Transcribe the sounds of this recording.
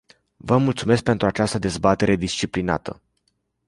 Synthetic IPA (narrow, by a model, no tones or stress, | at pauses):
vəmult̪sume̞sk̚pe̞nt̪ɾuat͡ʃast̪əd̪e̞zbat̪e̞ɾe̞d̪ist͡ʃiplina̰t̪ə̰